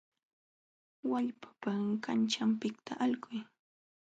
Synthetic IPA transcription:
waʎpḁpakant͡ʃampɪkt̪ʰaʔalkʊj

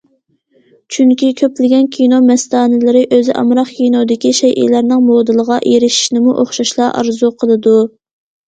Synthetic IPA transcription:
t͡ʃʰyŋkʲikʲʰøplɪɡʲɛnkʲʰinomɛst̪ɑːnɨlɨɾɪʔøzɪʔɑ̰mɾɑχkʲʰijnod̪ɪkʲiʃɛjʔḭlæɾnɪŋmod̪ɨlˠəʁɑʔeɾɪʃi̥ʃnɪmuʔoχʃɑʃlˠɑʔɑ̰ɾzuqʰəlˠɨd̪u

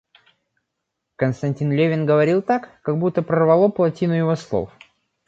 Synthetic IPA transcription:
kənst̪ɐnʲtʲinlʲevʲɪnɡəvɐɾʲilˠt̪akːɐɡbut̪ːəpɾərvɐlˠo̞plˠɐtʲinʊjɪvoslˠo̰f

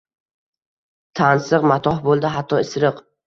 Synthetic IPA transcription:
t̪ʰansɨqmat̪ʰɒhbolˠd̪ɪɦat̪ʰːɒɪsɾɨq

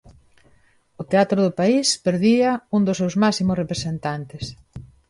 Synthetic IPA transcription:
ʊt̪eat̪ɾʊðʊpaispeɾðiɐuŋd̪ʊsːewzmasimʊsrepɾesent̪ant̪ɪs

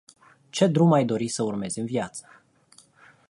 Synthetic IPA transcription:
t͡ʃe̞d̪ɾumajd̪o̞ɾisəurme̞zɨnvjat̪sə̥

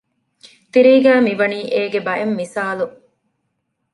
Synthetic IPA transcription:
t̪iɾiːɡæːmiʋɐniːʔeːɡebɐʔemːisaːlu

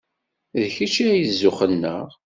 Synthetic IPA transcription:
ðçit͡ʃiæjəzːʊχənːə̰ʁ

